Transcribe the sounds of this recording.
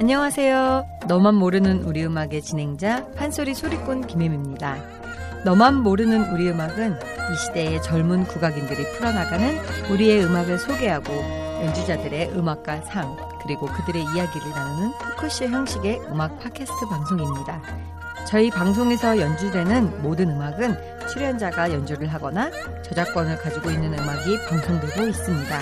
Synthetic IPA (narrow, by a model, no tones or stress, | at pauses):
aɲʌŋasʰe̞jo | nʌmanːoɾɯnɯnuɾiɯmaɡe̞t͡ɕinɦe̞ŋd͡ʑaɸansʰoɾisʰoɾik͈unkimemimɲida | nʌmanːoɾɯnɯnuɾiɯmaɡɯn | iɕʰide̞ːt͡ɕʌɭmunkuɡaɡindɯɾipʰɯɾʌnaɡanɯnuɾie̞ɯmaɡɯɭsʰoɡe̞ɦaɡojʌnd͡ʑud͡ʑadɯɾe̞ʔɯmak̚k͈wasʰaŋ | kɯɾiɡokɯdɯɾe̞ijaɡiɾɯɭnaonɯnpʰokʰɯɕ͈içjʌŋɕ͈ʰiɡe̞ɯmak̚pʰakʰesʰɯ̥tʰɯpaŋsʰoŋimɲida | t͡ɕʌipaŋs̬ʰoŋe̞sʰʌjʌnd͡ʑudwe̞nɯnmodɯnɯmaɡɯn | t͡ɕʰuɾjʌnd͡ʑaɡajʌnd͡ʑuɾɯɭɦaɡʌna | t͡ɕʌd͡ʑak͈wʌnɯɭkad͡ʑiɡoinːɯnɯmaɡipaŋsʰoŋdeɡois͈ɯmɲida